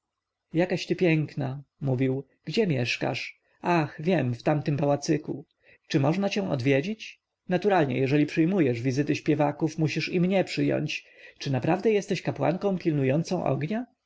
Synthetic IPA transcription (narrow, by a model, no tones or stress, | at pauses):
jakaɕt̪ɘpʲjɛŋknamuvʲiw | ɡ̥d͡ʑɛmʲjɛʂka̰ʂ | axvʲjɛmft̪amt̪ɘmpawat̪sɘku | t͡ʂɘmɔʐnat͡ɕɛ̃ɔ̰d̪vʲjed͡ʑit͡ɕ | nat̪uɾalɲɛ̰jɛʐɛlʲipʂɘjmujɛʐvʲizɘt̪ɘɕpʲjɛvakufmuɕiʂimɲɛpʂɘjɔ̰ɲt͡ɕ | t͡ʂɘnapɾavd̪ɛjɛst̪ɛɕkapwa̰ŋkɔ̃w̃pʲilnujɔnt̪sɔ̃w̃ʔɔ̰ɡɲa